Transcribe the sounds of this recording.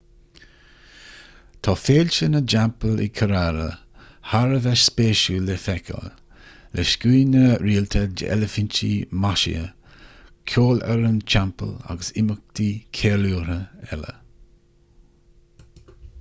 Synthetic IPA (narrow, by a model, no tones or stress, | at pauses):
t̪ʰɔːfeːlʲt͡ʃənəd͡ʒampəlɪ̰kʰəɾaɾə̰ | haɾəvɛʃspeːʃulɛfɛkʰɔ̰l | lɛʃkiːnəɾiːlt̪ʰəd͡ʒə̰ʔɛ̰ləfɪnt͡ʃḭmaʃḭə̰ | kʰoːlɛɾənt͡ʃampə̰la̰ɡəsɪmək̚t̪ikʰeːluːɾəɛ̰lə̰